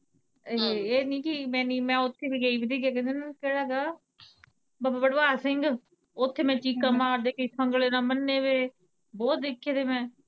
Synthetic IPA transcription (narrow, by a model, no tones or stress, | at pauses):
eeːnĩːkimɛ̃ːniːmɛ̃ːʊt̪ʰːeːbiːɡeiːbid̪eːk̬jaːkɛ̃ːnd̪eːnãkeːɽaːɡaː | bababəɽbaːsɪŋɡ | ʊt̪ʰːeːmɛ̃ːt͡ʃiːkːaːmaːɾd̪eːkəisəŋɡleːnaːmənːeːʋeː | bɔːt̪̚d̪ɪkʰːeːd̪eːmɛ̃ː